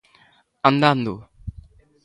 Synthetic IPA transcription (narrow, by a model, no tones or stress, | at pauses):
ɐnd̪and̪ṵ